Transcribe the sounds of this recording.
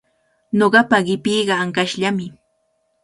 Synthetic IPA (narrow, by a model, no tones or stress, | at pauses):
noɢɑpaɢɪpijɢɑaŋkaʃʎamɪ